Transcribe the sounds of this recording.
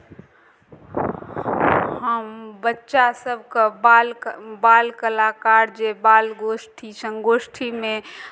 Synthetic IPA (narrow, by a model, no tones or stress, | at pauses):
həmbətːʃasəbʱkabalbaːlkəlakaɾd͡ʒebalɡosʈʰisə̃ŋɡoːsʈʰimẽ